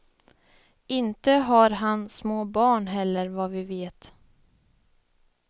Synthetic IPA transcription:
ɪnt̪əɦaɾɦansmoːbɑːɳɦɛlːəɾvavɪveːt̪

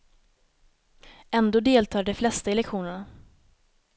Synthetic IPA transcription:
ɛnd̪oːd̪eːlt̪ʰɑːɖɛflɛst̪aɛlɛkɧuːnəɳa

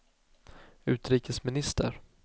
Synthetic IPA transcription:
ʉ̟ːt̪ɾiːkəsmɪnɪst̪ʰə̰ɾ

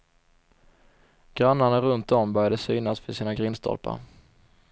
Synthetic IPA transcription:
ɡ̥ɾanːaɳaɾɵnt̪̚d̪ɔmbœɾjad̪əsyːnasvɪsiːnaɡɾɪnst̪ʰɔ̰lpa̰ɾ

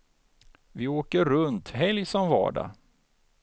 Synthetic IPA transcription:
vɪoːkəɾɵnt̪ɦɛljsɔmvɑ̰ːɖa̰

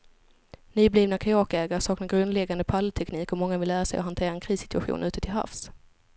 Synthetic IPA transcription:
nyːbliːvnakʰajɑːkɛːɡaɾəsɑːknaɾɡɾɵnd̪lɛɡand̪əpʰalːt̪ʰɛkniːkɔmɔŋːavɪlːæːɾasɛjɔɦant̪ʰeːɾaɛnkʰɾiːsɪ̥t̪ɵaɧṵːnʔʉ̟ːt̪ət̪ʰɪlɦa̰fs

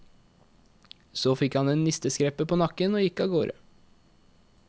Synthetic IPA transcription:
soːfɪkhɑneːnnɪst̪əskɾɛpəpʰoːnɑkənoːjɪkɑːɡoːɾə̰

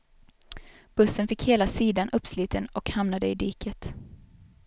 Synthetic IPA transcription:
b̥ɵsːənfɪkheːlasiːd̪anʔɵpːsliːt̪ʰənɔkhamnad̪əɪd̪iːkʰət̪

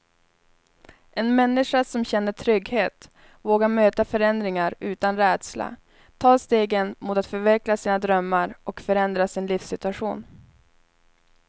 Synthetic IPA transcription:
ɛnmɛnːɪʂasɔmɕɛnːəʈʰɾʏɡheːt̪ | voːɡaɾmøːt̪afœɾɛnd̪ɾɪŋaɾʉ̟ːt̪anɾɛːd̪sla̰ | t̪ʰɑːst̪eːɡənmʊt̪at̪fœɾvɛklasiːnad̪ɾœmːaɾʔɔkfœɾɛnd̪ɾasɪnliːfsɪt̪ɵaɧṵːn

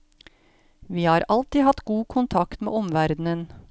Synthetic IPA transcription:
ʋiːhɑːɾɑlt̪iːhɑt̪ɡuːkʰʊnt̪ʰɑkt̪mḛːɔmʋæɾd̪n̩ən

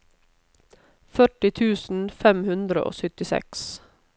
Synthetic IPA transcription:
fœʈɪt̪ʰʉːsn̩fɛmhʉnd̪ɾə̰ʔo̰ːsʏt̪ɪsɛ̰ks

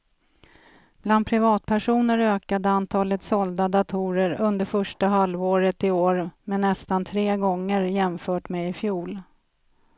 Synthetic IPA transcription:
b̥land̪̚pʰɾɪvɑːt̪̚pʰæʂuːnəɾøːkad̪əant̪ʰɑːlət̪sɔld̪ad̪at̪ʰuːɾəɾɵnd̪əɾfœʂʈaɦalvoːɾət̪ɪoːɾmɛnːɛst̪ant̪ʰɾeːɡɔŋːəɾjɛmfœːʈmɛɪfjuːl

